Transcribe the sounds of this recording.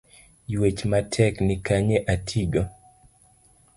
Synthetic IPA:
jwet͡ʃmatʰɛknɪkaɲeʔatʰiɡo

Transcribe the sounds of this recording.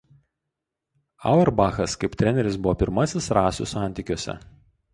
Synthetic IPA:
ɑ̰ˑʊɛɾbɑːxɐskɐɪpt̪ʲɾʲɛnʲɛɾʲɪs̬bʊʋɔːpʲɪɾmɐsʲɪsɾɑːsʲʊ̰sɑˑnʲt̪ʲiːˑkʲoɔsʲɛ̰

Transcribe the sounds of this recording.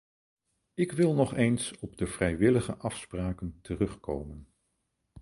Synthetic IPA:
ɪkʋɪlˠnɔχejnsɔb̚dəv̥rɛjʋɪləχəʔɑfspraːkəntərɵχko̰wmən

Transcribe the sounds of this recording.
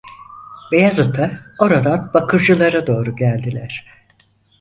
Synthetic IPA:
bejazat̪ʰao̞ɾad̪anbakʰɯɾd͡ʒɯlˠaɾad̪o̞ːɾuɟælʲd̪ilʲæɾ̥

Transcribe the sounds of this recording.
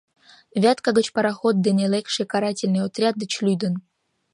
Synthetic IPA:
vʲat̪kaɡə̆t͡ɕpəɾaxot̪̚ːenelʲekʂɨkaɾatʲɪlʲnɨjot̪rʲad̪̚d̪ə̆t͡ɕlʲyjd̪ə̆n

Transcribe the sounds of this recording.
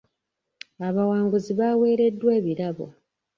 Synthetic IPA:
aβawaːŋɡuziβawe̞ːɾe̞dːwe̞ːβiɾaβo̞̰

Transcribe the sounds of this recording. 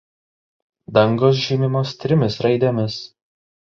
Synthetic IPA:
d̪ɐŋɡoːs̬ʒʲimʲɪmoːst̪ʲɾʲɪmʲɪsɾɐɪd̪ʲɛmʲɪs

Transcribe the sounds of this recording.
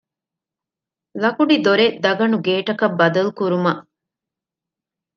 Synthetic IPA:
lɐkuɖid̪oɾed̪ɐɡɐnuɡeːʈɐkɐbːɐd̪ɐlukuɾumɐʔ

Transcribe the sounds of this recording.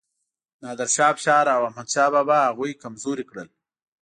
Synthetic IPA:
nɑːd̪əɾʃɑːpʃɑːɾawahmad̪ʃɑːbabaɦaɣujkamzoɾikɽəl

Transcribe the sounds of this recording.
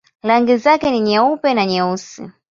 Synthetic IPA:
laŋɡɛzakɛniɲaupɛnaɲausḭ

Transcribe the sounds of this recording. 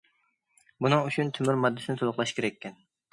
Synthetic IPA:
bunɨŋut͡ʃʰunt̪ʰymyɾmɑd̪ːɪsɪnɪt̪ʰolʊχlˠɑʃkʲʰeɾɛkʲːɛn

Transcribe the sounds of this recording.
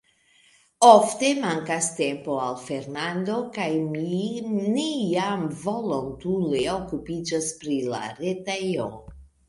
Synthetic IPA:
o̞fte̞maŋkaste̞mpo̞alfe̞ɾnando̞kajminejamvo̞lontule̞o̞kupid͡ʒaspɾila̰ɾetejo

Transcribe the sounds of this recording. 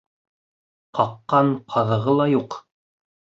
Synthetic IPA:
qɑqːɑɴqʰɑðɤ̆ʁɤlˠɑjuq

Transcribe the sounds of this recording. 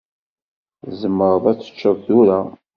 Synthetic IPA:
zəmːəɾˤəðˤæt͡sːə̥t͡ʃːəðθuɾa

